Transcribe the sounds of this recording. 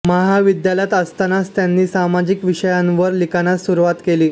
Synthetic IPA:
məɦaʋid̪jaljat̪əst̪anast̪janːiːsamad͡ʑikʋiʂəjãnʋəɾlikanasuɾuʋat̪keliː

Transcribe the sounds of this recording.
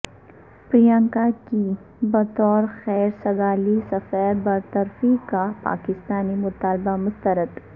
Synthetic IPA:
pɾijãːŋkaki | bɐt̪ɔːɾxɛːɾsɐɡaːlisɐfɛːɾbɐɾt̪ɐɾfikapa̰ːkɪst̪aːnimʊt̪aːlbamʊst̪əɾət̪

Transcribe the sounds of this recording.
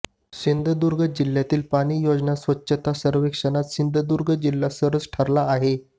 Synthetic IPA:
sind̪ʱəd̪uɾɡʱəd͡ʑiljat̪iːlpaɽ̃iːjod͡ʑnasʋətːɕət̪asəɾʋekʂənat̪sind̪ʱəd̪uɾɡʱəd͡ʑilːasəɾət͡sʈʰaɾlaːɦe

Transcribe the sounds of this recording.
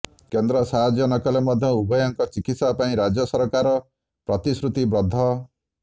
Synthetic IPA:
kend̪ɾɔsaɦad͡ʒjɔnɔkɔlemɔd̪ʱjɔubɔjɔŋkɔt͡ʃikit̪sapaĩɾad͡ʒɔsɔɾɔkaɾɔ | pɾɔt̪isɾut̪ibɾɔd̪ʱːɔ

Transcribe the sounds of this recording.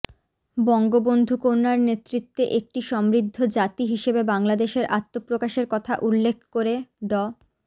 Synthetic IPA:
bɔŋɡobond̪ʱukoɾnaɾnet̪ɾit̪ːeʔek̚ʈiʃɔmɾid̪ʱːod͡ʑat̪iɦiʃebebaŋlad̪eʃeɾʔat̪ːopɾokaʃeɾkɔt̪ʰaʔulːekʰkoɾeɖɔ

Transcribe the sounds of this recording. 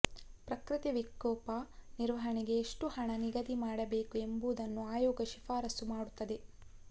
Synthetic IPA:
pɾɐkɾit̪iʋikːɔːpaniɾʋɐɦɐɳiɡe̞ːʂʈuhɐɳɐniɡɐd̪imaːɽɐbeːkue̞mbuːd̪ɐnːuaːjɔːɡɐʃifaːɾɐsumaːɽut̪ːɐd̪e̞

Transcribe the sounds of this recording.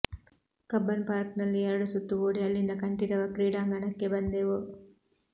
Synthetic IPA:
kɐbːɐnpaːɾknɐlːiɛɾɐɽusut̪ːuʋoːɽiɐlːind̪ɐkɐɳʈiɾɐʋɐkɾiːɽaːŋɡɐɳɐkːebɐnd̪eʋu

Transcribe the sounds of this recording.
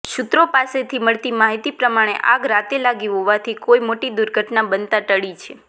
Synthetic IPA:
ʃʊt̪ɾopaset̪ʰiməɭt̪imaɦit̪ipɾəmaɽ̃ḛʔa̰ɡɾat̪elaɡiɦoʋat̪ʰikojmoʈid̪uɾɡʱəʈnabənt̪ãʈ̪əɭit͡ʃʰe

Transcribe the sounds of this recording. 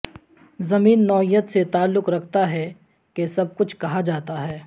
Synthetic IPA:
zɐmiːnːɔːijːət̪set̪aːlːʊkɾɐkʰt̪aɦɛ | kesɐb̚kʊt͡ʃʰkɐɦad͡ʒaːt̪aɦɛː

